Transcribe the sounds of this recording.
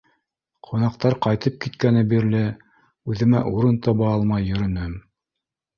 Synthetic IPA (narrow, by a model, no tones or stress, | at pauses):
qʰunɑq̚t̪ɑɾqɑjt̪ɤp̚kit̪kænɘbiɾlɘ | ʉðɘ̆mæʔuɾɤnt̪ɑβɑɑlˠmɑjːɵ̆ɾɵ̆nɵm